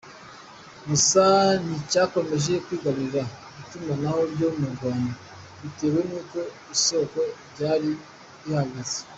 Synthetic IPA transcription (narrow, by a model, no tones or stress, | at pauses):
musanicako̞me̞ʒe̞kwiːɡaβiɾa | βitumanaho̞bɟomuɾɡwaːnda | βite̞ːwe̞nuːko̞ | iso̞ko̞ɾɟaːɾi | ihaɡaze̥